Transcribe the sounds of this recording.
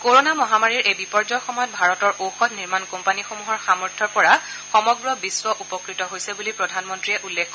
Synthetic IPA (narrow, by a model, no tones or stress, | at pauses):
koɹonamɔɦamaɹiɹʔejbipɔɹzɔxɔmɔjɔt̚bʱaɹɔtɔɹowxɔtniɹmankɔmpanixomuɦɔɹxamɔɹtʰɔɹpɔɹa | xɔmɔɡɹɔbiswɔʔupɔkɹitɔɦojsɛbulipɹɔdʱanmɔntɹijɛʔulːekʰkɔ